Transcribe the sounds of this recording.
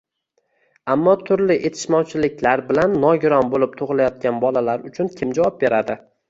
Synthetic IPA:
amːɒt̪ʰʊɾlɪʔet̪ʰɪ̥ʃmɒwt͡ʃʰɪlɪk̚ʲʰlaɾbɪlanːɒɡʲɾɒnbolɪp̚t̪ʰʊʁlˠajɒt̪̚ɡʲanbɒlalaɾʊt͡ʃʰʊnkʲʰɪmd͡ʒawɒp̚be̞ɾad̪ɪ

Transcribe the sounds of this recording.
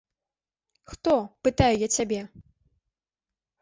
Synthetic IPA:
xt̪ɔpɨt̪ajujat͡sʲabʲɛ

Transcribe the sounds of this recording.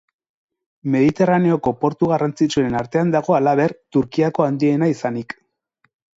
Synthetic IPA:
me̞ðit̪e̞rane̞o̞ko̞po̞ɾt̪uɣarant͡sit͡ʃue̞naɾt̪e̞and̪aɣ̞o̞alaβe̞ɾt̪uɾkiako̞and̪ie̞naisanik

